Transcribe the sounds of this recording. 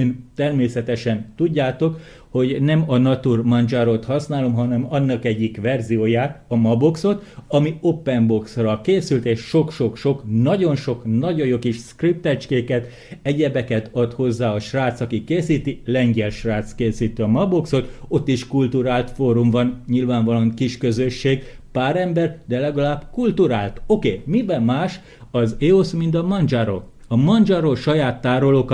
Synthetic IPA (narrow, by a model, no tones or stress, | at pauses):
ønt̪ɛrmeːsɛt̪ɛʃɛnt̪uɟːaːt̪o̞k | ho̞ɟnɛmɒnɒt̪urmɒnd͡ʒaɾot̪hɒsnaːlo̞mɦɒnɛmɒnːɒkɛɟːikʋɛrzijoːjaːt̪ɒmɒbo̞kso̞t̪ɒmio̞pːɛnbo̞ksrɒkeːsylt̪eːʃʃo̞kʃo̞kʃo̞knɒɟo̞nʃo̞knɒɟojokiʃskrip̚t̪ɛt͡ʃkeːkɛt̪ | ɛɟɛbɛkɛt̪ɒt̪ho̞zːaːɒʃraːt̪sɒkikeːsiːt̪ilɛŋɡɛlʃraːt̪skeːsiːt̪iɒmɒbokso̞t̪o̞t̪ːiʃkult̪uɾaːlt̪foːɾumvɒnɲilvaːɱvɒlɒŋkiʃkø̞zø̞ʃːeːɡ | paːɾɛmbɛrd̪ɛlɛɡɒlaːbkult̪uɾaːlt̪o̞keːmibɛmːaːʃ | ɒzeːosmint̪̬ɒmɒnd͡ʒaɾo̰ː | ɒmɒnd͡ʒaɾoːʃɒjaːt̪ːaːɾoloːk